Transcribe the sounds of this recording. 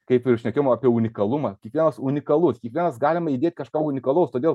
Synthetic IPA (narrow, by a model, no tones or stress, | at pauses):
kɐɪpɪɾʃʲnʲɛkʲejmɐːpʲiɛunʲɪkɐlˠʊmɐkʲiɛkʋʲiɛnɐsunʲɪkɐlˠʊskʲiɛkʋʲiɛnɐsɡɑːlʲɪmɐidʲeːt̪ʲkɐʃkɑːʊnʲɪkɐlˠɐʊst̪oːdʲeːlˠ